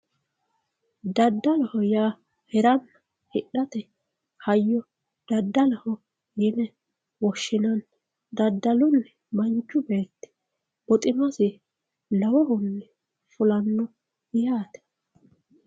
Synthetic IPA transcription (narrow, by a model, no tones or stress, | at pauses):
d̪ɐd̪ːɐlɐhɔjaː | hɛɾɐnːɐ | hɪɗɐt̪ɛ | hɐjːɔ | d̪̥ɐd̪ːɐlɐhɔ | jɪnɛ | wɔʃːɪnɐn | d̪ɐd̪ːɐlʊnːɛ | mɐɲt͡ʃːʊbeːt̪ːɪ̥ | bɔt̪ʼɪmɐsɪ | lɐwɔhʊnːɛ | fʊlɐnːɔ | ɪjaːt̪ɛ̥